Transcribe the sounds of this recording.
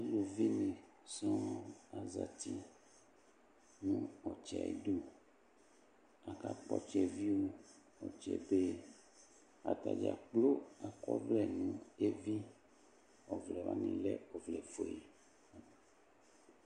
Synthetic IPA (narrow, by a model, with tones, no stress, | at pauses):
a˨lu˨vi˦nĩ˨ | sɔ̃˦a˨za˨t̪i˦ | nũ˦ɔ˨t͡ʃɛ̰˨ḛ˨ɖu˦ | a˨ka˨k͡pɔ˦t͡ʃɛ˨vi˦wo˦ | ɔ̰˨t͡ʃɛ̰˨be˦ | a̰˨t̪a̰˨d͡ʒa̰˨k͡plo˦a˨kɔ̰˦vlɛ˨nũ˨˦e˦vi˦ | ɔ˨vlɛ˨va̰˨˦nĩ˨lɛ̰˦ɔ˨vlɛ˨fo˨e˨